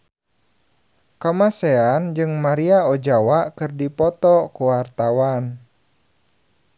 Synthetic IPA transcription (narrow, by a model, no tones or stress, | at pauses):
kamasɛand͡ʒɨŋmaɾiaɔd͡ʒawaʔkɨrdipɔt̪ɔkuwart̪awan